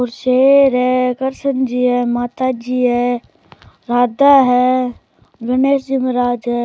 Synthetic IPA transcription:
oɾʃeːɾɦɛkəɾsənd͡ʒiːɦɛːmaːt̪ad͡ʒiːɦɛ | ɾaːd̪aɦɛ | ɡəneːsd͡ʒimɾaːd͡ʒɦɛ

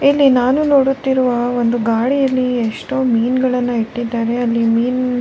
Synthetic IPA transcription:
ilːinaːnunoːɽut̪ːiɾuʋɐʋond̪uɡaːɽijɐlːieʂʈoːmiːnɡɐɭɐnːɐiʈːid̪ːaːɾe̞ɐlːimiːn

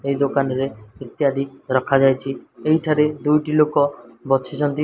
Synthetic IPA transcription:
ejd̪okanɔɾeit̪jad̪ʱiɾɔkʰad͡ʒajt͡ʃʰiejʈʰaɾed̪ujʈilokɔbɔt͡ʃʰet͡ʃʰɔnt̪i

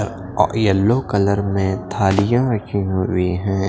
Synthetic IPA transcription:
ɾ | ɔ̰ʔjɐlːokɐləɾmẽt̪ʰaːlijãɾɐkʰiɦʊiɦɛ̃ː

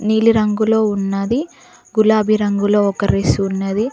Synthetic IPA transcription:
niːliɾɐŋɡulo̞ːunːɐd̪i | ɡulaːbʱiɾɐŋɡulo̞ːɔkɐɾesuːnːɐd̪i

